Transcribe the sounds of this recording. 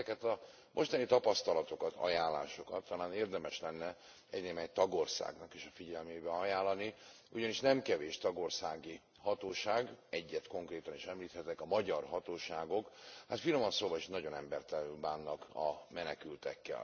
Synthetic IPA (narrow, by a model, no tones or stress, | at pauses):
kɛt̪ɒ | mʔo̞ʃt̪ɒnit̪ɒpɒst̪ɒlɒt̪o̞kɒt̪ʰɒ̰jaːlːa̰ːʃo̞kɒt̪ʰːɒlaːneːrd̪ɛmɛʃlɛnːɛ | ɛɟneːmɛct̪ɒɡo̞rsa̰ːɡnɒkeːʃɒfiɟɛlmeːbɛɒjaːlːɒni | uɟɒniʃnɛmkɛveːʃt̪ɒɡo̞rsaːɡi | hɒt̪oːʃaːɡɛɟːɛt̪ko̞ŋkreːt̪ɒniʃɛmliːt̪hɛt̪ɛkɒmɒɟɒrɦɒt̪oːʃaːɡo̞khat̪filomɒnsoːbɒiʃnɒɟo̞nɛmbɛrt̪ɛnylbaːnːɒkɒ̰mɛnɛkylt̪ɛkːɛ̰l